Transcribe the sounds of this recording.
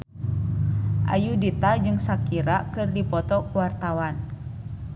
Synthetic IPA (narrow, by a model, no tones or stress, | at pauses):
ʔa̰judit̪ad͡ʒɨŋsakiɾakɨrdipɔt̪ɔkuwart̪awan